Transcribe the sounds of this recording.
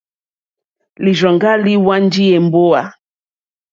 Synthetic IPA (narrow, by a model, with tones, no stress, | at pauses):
li˨ʒɔ˨ŋɡa˦li˦wa˦n˦d͡ʒi˦e˨m˦bo˦a˨